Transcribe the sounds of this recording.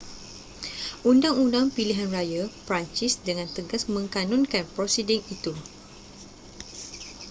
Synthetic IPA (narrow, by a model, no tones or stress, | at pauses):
ʔundaŋundaŋpiliɦanrajapəɾaɲt͡ʃisdəŋãnt̪əɡasmə̃ŋkanɔ̃nkanpɾɔsidiŋit̪u